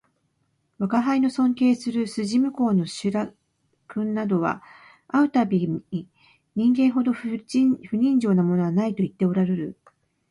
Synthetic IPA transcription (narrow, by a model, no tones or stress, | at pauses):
βakaɦaino̞sõ̞ŋke̞ːsɨɾɯ̟sɨʑimɯ̟ko̞ːno̞ɕɨɾa | kɯ̟̃nːad̪o̞βa̰ | aɯ̟t̪abʲii | ɲ̟ĩŋɡẽ̞ɰ̃ɦo̞d̪o̞ɸɯ̟ɲ̟ĩɲd͡ʑo̞ːnamo̞no̞βanait̪o̞it̪ːe̞o̞ɾaɾe̞ɾɯ̟